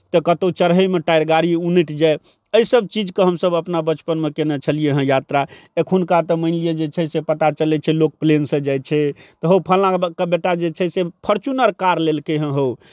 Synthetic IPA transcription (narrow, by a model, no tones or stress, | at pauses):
t̪ɔkət̪ot͡ʃəɾɦəmeʈajɾɡaɾiunəʈd͡ʒae | əisəb̚t͡ʃid͡ʒkeɦəmsəbəpnabət͡ʃpənmekenet͡ʃʰəlijeɦə̃jat̪ɾaekʰunkat̪ɔməɪnlijed͡ʒet͡ʃʰɛsepət̪at͡ʃəlɛt͡ʃʰɛlok̚plensə̃d͡ʒajt͡ʃʰɛt̪ɔɦəwpʰəlãkəbeʈad͡ʒet͡ʃʰɛsepʰəɾt͡ʃunəɾkaɾlelkeɦə̃ɦow